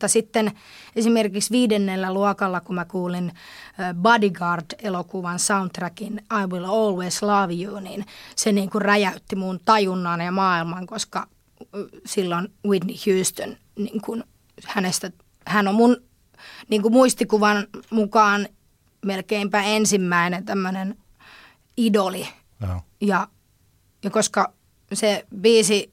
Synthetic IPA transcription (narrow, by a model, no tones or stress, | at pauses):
t̪ːɑsit̪ːen | esimerkiksʋiːdenːelːæluɑkɑlːɑkumækuːlinː | bɑdiɡɑrd̥elokuʋɑnsɑunt̪rækinɑiwiloːlweːslɑʋioːninseniːŋkurræjæyt̪ːimunt̪ɑjunːɑːnjɑmɑːilmɑŋkoskɑ | silːonwidnihjuːst̪on | niːŋkun | hænest̪æ | hænommun | niːŋkumuist̪ikuʋɑnmukɑːn | melkeimpæːensimːæinent̪æmːønen | idoli | jɑ | jɑkoskɑ | sebiːsi